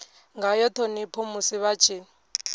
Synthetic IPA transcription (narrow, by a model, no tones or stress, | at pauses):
ŋɡajɔtʰɔnipʰomusiβat͡ʃʰiːn